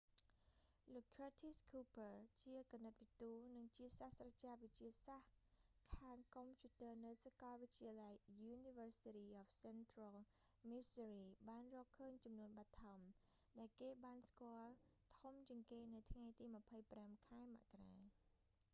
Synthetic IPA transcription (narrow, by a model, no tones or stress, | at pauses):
loːkʰːrat̪ʰiskʰuːpərt͡ɕiəkanːɨt̪̚ʋit̪uːnɨŋt͡ɕiəsahsrat͡ɕaːʋɨt͡ɕiəsah | kʰaːŋkompʰjuːt̪əːnɨwsakɑlʋɨct͡ɕiəlajːuːniʋəːsitiːʔɔːfsɛnt̪rɔl | misəriːɓaːnrɔːhkʰːəːɲt͡ɕɑmnuənɓat̪ʰːaɔm | ɗaɛlkeːɓaːnskŏəlt̪ʰumt͡ɕiəŋkeːnɨwt̪ʰŋajt̪iːməpʰəjpramkʰaɛma̰ʔkaraː